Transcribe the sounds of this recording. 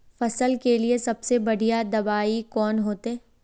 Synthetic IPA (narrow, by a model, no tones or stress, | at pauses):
fɐsəlkeliesɐbsebɐɽijad̪ɐbaːikɔːnɦoːt̪eː